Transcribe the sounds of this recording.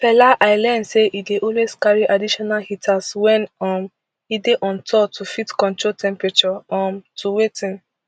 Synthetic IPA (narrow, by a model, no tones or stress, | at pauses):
pɛlaʔaɪlɛnseʔideʔɔlweskaɹiʔadiʃɔnalhitʰaswɛ̃nɔm | ideʔɔ̃ntʰɔtʰufitkɔ̃ntɹoltʰɛ̃mpɹɛt͡ʃɔɔmtʰuwetĩn